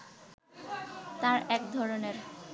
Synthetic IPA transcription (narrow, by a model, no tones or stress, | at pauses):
t̪aɾɛkd̪ʱɔɾoneɾ